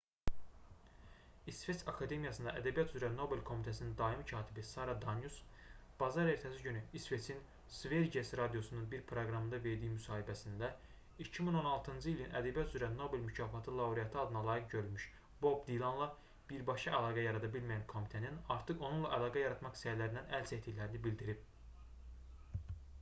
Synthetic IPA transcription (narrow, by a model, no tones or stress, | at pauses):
isve̞t͡s̪ɑkʰɑd̪e̞mijɑsɯnd̪ɑ̰ʔæd̪æbijɑt̪ʰyzɾæno̞be̞lkʰo̞mit̪ʰæsinind̪ɑimcʰɑːt̪ʰibisɑɾɑd̪ɑnjus | b̥ɑzɑɾe̞ɾt̪ʰæsiɟynyisve̞t͡sʰin | sveɾd͡ʒesɾɑd̪ijo̞sununbiɾpʰɾoɡɾɑmɯnd̪ɑve̞ɾd̪ijimysɑːhibæsind̪æ | icʰimino̞nɑlˠt̪ʰɯnd͡ʒɯilinæ̰d̪æbæyzyɾæno̞be̞lmycʰɑːfɑt̪ʰɯlˠɑuɾijɑt̪ʰɯɑd̪ɯnɑlˠɑːjikɟøɾylmyʃ | bo̞bd̪ilˠɑnlˠɑ | b̥iɾbɑʃɑʔælˠɑːɡɑjɑɾɑd̪ɑbilmijænkʰo̞mit̪ʰæninɑɾt̪ʰɯχo̞nunlˠɑʔælˠɑːɡɑjɑɾɑt̪mɑχi̥sæɾlæɾind̪ænʔælset̪ʰːiçlæɾinibild̪iɾib̚